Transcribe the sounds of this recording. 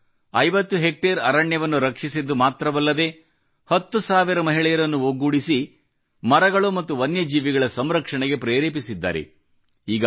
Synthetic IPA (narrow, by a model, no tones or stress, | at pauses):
ɐjʋɐt̪ːuɦek̚ʈeɾɐɾɐɳjɐʋɐnːuɾɐkʂisid̪ːumaːt̪ɾɐʋɐlːɐd̪e̞ | hɐt̪ːusaːʋiɾɐmɐɦiɭɛjɐɾɐnːuoɡuːɽisi | mɐɾɐɡɐɭumɐt̪ːuʋɐnjɐd͡ʒiːʋiɡɐɭɐsɐmɾɐkʂɐɳɛɡe̞pɾeːɾeːp̬isid̪ːa̰ːɾḛ | iːɡɐ